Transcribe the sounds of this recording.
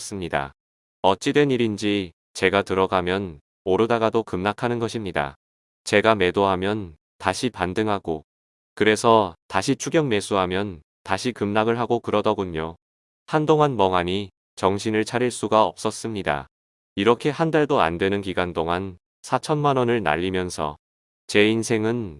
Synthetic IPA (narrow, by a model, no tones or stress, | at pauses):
s͈ɯmɲida̰ | ʌt͡ɕ͈idwe̞niɾind͡ʑi | t͡ɕe̞ɡatɯɾʌɡamjʌn | oɾɯdaɡadokɯmnakʰanɯnɡʌɕʰimɲida̰ | t͡ɕe̞ɡame̞doɦamjʌn | taɕʰipandɯŋɦaɡo | kɯɾe̞sʰʌtaɕʰit͡ɕʰuɡjʌŋme̞sʰuɦamjʌn | taɕʰikɯmnaɡɯɭɦaɡokɯɾʌdʌɡoɲo | handoŋanmʌŋaɲi | t͡ɕʌŋɕʰinɯɭt͡ɕʰaɾiɭs͈uɡaʌ̰p̚s͈ʌs͈ɯmɲida̰ | iɾʌkʰe̞handaɭdoa̰ndwe̞nɯnkiɡantoŋan | sʰat͡ɕʰʌnmanʌnɯɭna̰ʎːimjʌnsʰʌ̰ | t͡ɕe̞insʰe̞ŋɯn